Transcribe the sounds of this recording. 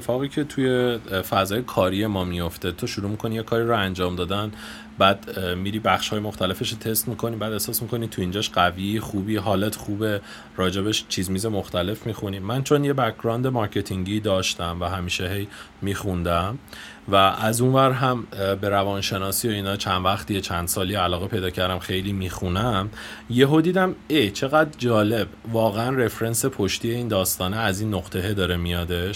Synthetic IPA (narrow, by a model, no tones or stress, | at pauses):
efɒːɣicʰe̞t̪ʰuje̞fæzɒːjekʰɒːɾije̞mɒːmijo̞ft̪e̞t̪ʰoʃuɾuːmikʰo̞nijekʰɒːɾiɾoænd͡ʒɒːmd̪ɒːd̪æn | bæːd̪miɾiːbæxʃhɒːjemo̞xt̪æle̞fe̞ʃot̪ʰe̞st̪mikʰo̞niːbæːd̪e̞hsɒːsmikʰo̞nit̪ʰuind͡ʒɒːʃɢæviːχuːbiːɦɒːlet̪ʰxuːbe̞ | ɾɒːd͡ʒe̞beʃt͡ʃʰizmiːze̞mo̞xt̪ʰæle̞fmixuniːmːænt͡ʃʰo̞nje̞bækʰɾɒːnd̪e̞mɒɾcʰe̞t̪ʰiŋɟid̪ɒːʃt̪æmvæɦæmiːʃe̞ɦe̞jmiːxund̪æm | væʔæzunvæɾɦæmbe̞ɾævɒːnʃe̞nɒːsioiːnɒːt͡ʃʰænd̪væxt̪ijet͡ʃʰænd̪̥sɒːliælɒːɣepʰe̞jd̪ɒːcʰæɾd̪æmxe̞jliːmiːxunæmje̞ɦod̪iːd̪æmejt͡ʃʰe̞ɣæd̪ɾd͡ʒɒːle̞bvɒːɣeænre̞fɾe̞nse̞pʰoʃt̪ije̞iːnd̪ɒːst̪ɒːneæziːnːoɣt̪ʰe̞ɦed̪ɒːɾemijɒd̪e̞ʃ